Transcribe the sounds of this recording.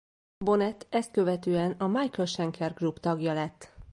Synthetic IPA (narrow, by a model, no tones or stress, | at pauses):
bo̞nɛt̪ɛst̪̚kø̞vɛt̪øːɛnɒmɒjkɛlʃɛŋkʰɛrɡrupt̪ɒɡjɒlɛt̪ː